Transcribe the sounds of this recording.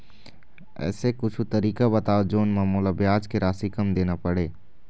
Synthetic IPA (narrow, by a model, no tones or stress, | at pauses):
ɛ̰ːsekʊt͡ʃʰut̪ɐɾiːkabɐt̪aːod͡ʒoːnmaːmoːlabjaːd͡ʒkeɾaːsikəmd̪eːnapɐɽeː